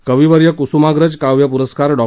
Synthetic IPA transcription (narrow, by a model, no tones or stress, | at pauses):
kəʋiʋəɾjəkusumaɡɾəd͡ʑkaʋjəpuɾəskaɾɖɔ